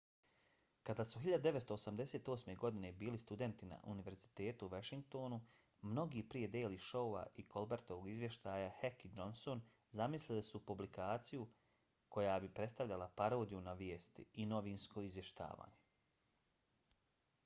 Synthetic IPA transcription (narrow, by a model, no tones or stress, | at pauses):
kad̪aːsuxiʎad̪ud̪eʋet̪st̪oːsamd̪e̞seːt̪o̞ːsme̞ɡo̞d̪ine̞biːlist̪ud̪e̞nt̪ina̰ʔṵniʋe̞ɾzit̪e̞ːt̪uuʋaʃiŋk̚t̪o̞ːnu | mno̞ɡiːpɾije̞d̪eːliʃouʋa̰ʔikʰo̞lbeɾt̪o̞ʋoɡizʋje̞ʃt̪aːjahekid͡ʒo̞nso̞n | zamislilisupublikaːt̪siju | kʰo̞jaːbipɾe̞t̪st̪aʋʎalˠapaɾo̞ːd̪ijunaʋjeːst̪ḭino̞ʋiːnsko̞izʋje̞ʃt̪a̰ːʋa̰ːɲe